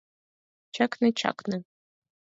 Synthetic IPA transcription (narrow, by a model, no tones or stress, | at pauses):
t͡ʃʰakʰnɨt͡ʃʰa̰kʰnɨ